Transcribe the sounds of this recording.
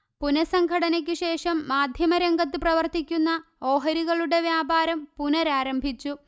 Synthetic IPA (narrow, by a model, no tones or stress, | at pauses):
punɐsɐŋɡʱɐɽɐnɐkʲːɨɕe̞ːʂɐmːaːd̪ʱjɐmɐɾeŋɡɐt̪̬ːɨprɐʋɐrt̪ikʲːunːɐo̞ːɦɐɾiɣɐɭuɽe̞ʋjaːbaːɾɐmpunɐɾaːɾɐmbʱit͡ɕːu